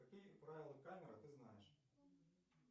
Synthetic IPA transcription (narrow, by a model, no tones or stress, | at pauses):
ɐkʲɪjpɾaʋʲɪlˠɐkamʲɪɾɐt̪ɪznɑjɛʃ